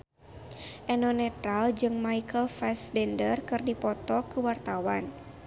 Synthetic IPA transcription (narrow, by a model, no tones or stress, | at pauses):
ʔɛnɔnɛt̪ɾald͡ʒɨŋmaikəlfɛsbɛndərkɨrdipɔt̪ɔkuwart̪awan